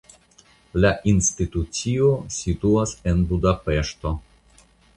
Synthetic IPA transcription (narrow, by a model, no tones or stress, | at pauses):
laʔinstitut͡siosituase̞nbudapeʃto̞